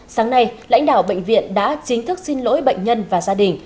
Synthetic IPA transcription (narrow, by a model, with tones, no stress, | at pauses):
saː˨˦ŋna˧jla̰˧˥jŋ̟ɗa̰ː˧˩wɓə̰˧˨jŋ̟vḭ˧˨ənɗa̰ː˧˥t͡ɕï˨˦ŋ̟t̪ʰɨ˦˥k̚si˧nlo̰˧˥jɓə̰˧˨jŋ̟ɲə˧nvaː˨˩zaː˧ɗï˨˩ŋ̟